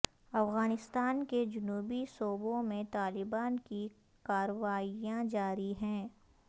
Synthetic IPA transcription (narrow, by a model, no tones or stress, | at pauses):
ɐfɣaːnɪst̪aːnked͡ʒʊnuːbisoːbõmẽt̪aːlɪbaːnki | kaːɾəʋaːijãd͡ʒaːɾiɦɛ̃ː